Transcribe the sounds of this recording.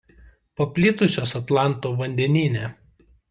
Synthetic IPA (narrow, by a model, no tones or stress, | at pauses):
pɐpʲlʲɪt̪ʊsʲoːsɐt̪lˠɑˑnˑt̪oːʋɐnʲd̪ʲɛnʲiːnʲe